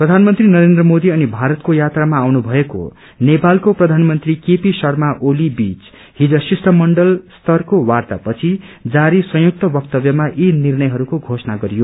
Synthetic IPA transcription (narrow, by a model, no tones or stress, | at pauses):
prʌd̪ʱanmʌnt̪rinʌɾend̪rʌmod̪iʌnibʱaɾʌt̪kojat̪ramaːwnubʱʌeko̰ | nepalkoprʌd̪ʱanmʌnt̪rikepisʌrmaʔolibit͡s | hid͡zʌsisʈʰʌmʌɳɖʌlst̪ʌrkowart̪apʌt͡sʰid͡zaɾisʌ̃juk̚t̪ʌbʌk̚t̪ʌbjʌmaʔinirnʌjɦʌɾukoɡʱosʌnaɡʌɾijo